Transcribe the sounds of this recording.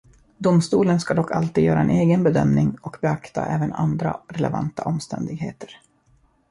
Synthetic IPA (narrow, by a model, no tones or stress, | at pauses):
d̪ʊmst̪uːlənskad̪ɔkːalt̪ʰiːd̪jœːɾaɛneːɡənbɛd̪œmnɪŋɔkbɛakt̪a̰ʔɛːvəna̰nd̪ɾa̰ɾɛlɛvant̪aʔɔmst̪ʰɛnd̪ɪɡɦeːt̪ʰə̥ɾ